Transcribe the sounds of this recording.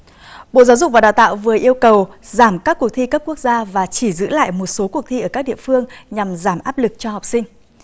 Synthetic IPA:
ɓo̰˧˨zaː˨˦wzʊ˨˩k͡p̚vaː˨˩ɗaː˨˩wt̪a̰ː˧˨wvɨ˨˩əʔi˧əwkə˨˩wzaː˧˩mkaː˦˥kːu˨˩ək̚t̪ʰi˧kaː˦˥p̚ku˦˥ək̚zaː˧vaː˨˩t͡ɕi˧˩zɨ̰˧˥la̰ː˧˨jmo˨˩t̚so˨˦ku˨˩ək̚t̪ʰi˧ʔəː˧˩kaː˦˥k̚ɗḭ˧˨əfɨ˧əŋɲa˨˩mzaː˧˩mʔaː˦˥p̚lɨ˨˩k̚t͡ɕɔ˧ɦɔ˨˩wk͡p̚sï˧ŋ̟

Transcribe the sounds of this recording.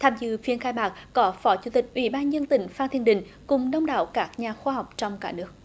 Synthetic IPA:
t̪ʰaː˧mzɨ̰˧˨fi˧ənxaː˧jmaː˨˩k̚kɔ˨˦fɔ˨˦t͡ɕu˨˧˩t̪ï˨˩k̟̚ʔwḭ˧˩ɓaː˧nzə˧nt̪ï˨˦ŋ̟faː˧nt̪ʰi˧ənɗï˧˨ŋ̟kʊ˨˩ŋ͡mɗə˧wŋ͡mɗa̰ː˧˨wkaː˦˥k̚ɲaː˨˩xwaː˧ɦa˨˩wk͡p̚t͡ɕɔ˧wŋ͡mkaː˧˩nɨ˦˥ək̚

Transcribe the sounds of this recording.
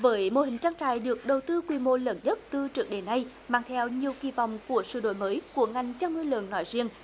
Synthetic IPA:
vəː˨˦jmo̰˧˩hï˨˩ŋ̟t͡ɕaː˧ŋt͡ɕa̰ː˧˨jɗɨ˨˩ək̚ɗə˨˩wt̪ɨ˧kwi˧˩mo˧lə˧˩nɲə˦˥t̚t̪ɨ˧t͡ɕɨ˨˩k̚ɗe˨˦nːa˧j | maː˧˩ŋt̪ʰɛ˧wɲi˨˩əwki˧˩vɔ̰˧˨wŋ͡mku˧˩əsɨ̰˧˩ɗo̰˧˨jməː˨˦jku˧˩əŋa˨˩jŋ̟t͡ɕa˧wŋɨ˧lə̰˨nnɔ˨˦jzi˧əŋ

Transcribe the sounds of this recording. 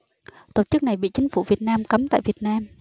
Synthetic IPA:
t̪o˧˩t͡ɕɨ˦˥k̚na˨˩jɓḭ˧˨t͡ɕï˨˦ŋ̟fṵ˧˩vi˨˩ət̚naː˧mkə˨˦mt̪a̰ː˧˨jvi˨˩ət̚naː˧m

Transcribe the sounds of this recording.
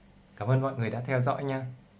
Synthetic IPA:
kaː˧˩mʔəː˧nmɔ̰˧˨jŋ˨˩əjɗa̰ː˧˥t̪ʰɛ˧wzɔ̰˧˥ɲaː˧

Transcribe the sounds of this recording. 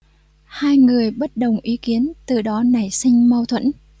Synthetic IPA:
haː˧jŋɨ˨˩əjɓə˦˥t̚ɗə˨˩wŋ͡mʔi˨˦ki˨˦ənt̪ɨ˨˩ɗɔ˨˦na˨˩jsï˧ŋ̟ma˧wt̪ʰwə̰˧˥n

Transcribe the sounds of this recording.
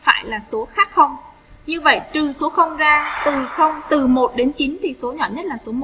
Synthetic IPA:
fa̰ː˧˩jlaː˨˩so˨˦xaː˦˥k̚xə˧wŋ͡m | ɲɨ˧və̰˧˨jt̪ɨ˨˩so˨˦xə˧wŋ͡mzaː˧t̪ɨ˨˩xə˧wŋ͡mt̪ɨ˨˩mo˨˩t̚ɗe˨˦nt͡ɕi˨˦nt̪ʰi˨˩so˨˦ɲɔ̰˧˩ɲə˦˥t̚laː˨˩so˨˦mo˨˩

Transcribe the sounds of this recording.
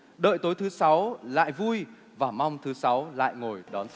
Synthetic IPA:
ɗə̰ː˧˨jt̪o˨˦jt̪ʰɨ˨˦sa˨˦wla̰ː˧˨jvu˧j | vaː˨˩ma˧wŋ͡mt̪ʰɨ˨˦sa˨˦wla̰ː˧˨jŋo˨˩jɗɔ˨˦n

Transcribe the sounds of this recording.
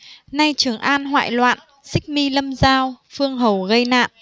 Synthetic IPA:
na˧jt͡ɕɨ˨˩əŋʔaː˧nɦwa̰ː˧˨jlwa̰ː˧˨n | sï˦˥k̚mi˧lə˧mzaː˧wfɨ˧əŋɦə˨˩wɣə˧jna̰ː˧˨nʔ

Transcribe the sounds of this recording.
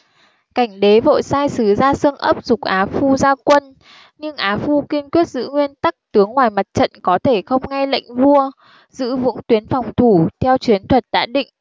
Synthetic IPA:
ka˧˩jŋ̟ɗe˨˦vo̰˧˨jsaː˧jsɨ˨˦zaː˧sɨ˧əŋʔə˦˥p̚zʊ˨˩k͡p̚ʔaː˨˦fu˧zaː˧kwə˧n | ɲɨ˧ŋʔaː˨˦fu˧ki˧ənkwi˦˥ət̚zɨ̰˧˥ŋwi˧ənt̪a˦˥k̚t̪ɨ˨˦əŋːwaː˨˩jma˨˩t̚t͡ɕə̰˧˨nkɔ˨˦t̪ʰe˧˩xə˧wŋ͡mŋa˧jlə̰˧˨jŋ̟vu˧ə | zɨ̰˧˥vʊ̰˧˥ŋt̪wi˨˦ənfɔ˨˩wŋ͡mt̪ʰu˧˩t̪ʰɛ˧wt͡ɕwi˨˦ənt̪ʰwə˨˩t̚ɗa̰ː˧˥ɗḭ̈˧˨ŋ̟

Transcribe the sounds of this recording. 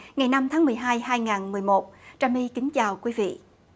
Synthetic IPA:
ŋa˨˩jna˧mt̪ʰaː˨˦ŋmɨ˨˩əjɦaː˧jhaː˧jŋaː˨˩nmɨ˨˩əjmo˨˩t̚t͡ɕaː˨˩mi˧kï˨˦ŋ̟t͡ɕaː˨˩wkwi˨˦vḭ˧˨

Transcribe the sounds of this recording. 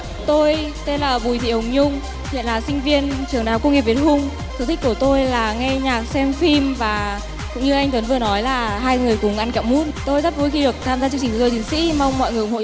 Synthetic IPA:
t̪o˧j | t̪e˧nlaː˨˩ɓu˨˩jt̪ʰḭ˧˨hwŋ͡mɲʊ˧ŋ͡m | hḭ˧˨ənlaː˨˩sï˧ŋ̟vi˧ənt͡ɕɨ˨˩əŋɗaː˨˩wkə˧ŋ͡mŋi˨˩p̚vi˨˩t̚hʊ˧ŋ͡m̪ʰ | ə˨˩t̪ʰk̚ku˧˩ət̪o˧jlaː˨˩ŋɛ˧ɲaː˨˩k̚sɛ˧mfi˧mvaː˨˩ | kʊ̰˧˥ŋ͡mɲɨ˧ʔa˧jŋ̟t̪wə˨˦nvɨ˨˩ənɔ˨˦jlaː˨˩ɦaː˧jŋɨ˨˩əjkʊ˨˩ŋ͡mʔa˧nka̰ː˧˩mu˦˥t̚t̪o˧jzaː˦˥p̚vo˨˦jxi˧ɗɨ˨˩ək̚t̪ʰaː˧mzaː˧t͡ɕɨ˧ŋt͡ɕï̟˩kːt̪t̪i˨˦ŋsḭ˧˥ma˧wŋ͡mmɔ̰˧˨jŋɨ˨˩˨ŋ͡mho̰˧˨

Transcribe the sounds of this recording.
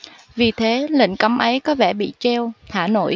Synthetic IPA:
vi˨˩t̪ʰe˨˦lḭ̈˧˨ŋ̟kə˨˦mʔə˨˦jkɔ˨˦vɛ˧˩ɓḭ˧˨t͡ɕɛ˧wt̪ʰaː˧˩no̰˧˨j

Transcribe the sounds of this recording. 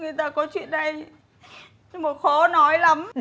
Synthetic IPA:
ŋɨ˨˩əjt̪aː˧˩kɔ˨˦t͡ɕwḭ˧˨ənɗə˧j | mo˨˩t̚xɔ˨˦nɔ˨˦jla˨˦m

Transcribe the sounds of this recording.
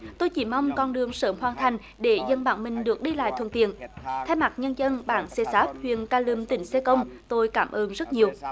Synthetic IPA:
t̪o˧jt͡ɕi˧˩ma˧wŋ͡mkɔ˧nɗɨ˨˩əŋsəː˨˦mɦwaː˨˩nt̪ʰa˨˩jŋ̟ | ɗe˧˩zə˧˩nɓa̰ː˧˩nmï˨˩ŋ̟ɗɨ˨˩ək̚ɗi˧la̰ː˧˨jt̪ʰə̰˧˨nt̪i˧˨ənt̪ʰa˧jma˨˩t̚ɲə˧nzə˧nɓaː˧˦nsɛ˧saː˦˥p̚hwḭ˧˨ənkaː˧lɨ˨˧˩mt̪ï˧˩˦ŋ̟sɛ˧kə˧wŋ͡mt̪o˧jkaː˧˩mʔəː˧nzə˦˥t̚ɲi˨˩əw

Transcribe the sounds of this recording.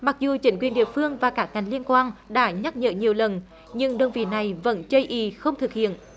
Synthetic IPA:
ma˨˩k̚zu˨˩t͡ɕï˧˦ŋkwi˨˩ənɗḭ˧˨əfɨ˧əŋvaː˨˩kaː˦˥k̚ŋa˨˩jŋ̟li˧ənkwaː˧nɗa̰ː˧˥ɲa˦˥t̚ɲə̰ː˧˨ɲi˨˩əwlə˨˩n | ɲɨ˧ŋɗə˧wŋ͡mvḭ˧˨na˨˩jvə̰˧˥nt͡ɕə˧jʔi˧˩˦xə˧wŋ͡mt̪ʰɨ˨˩k̚hḭ˧˨ən

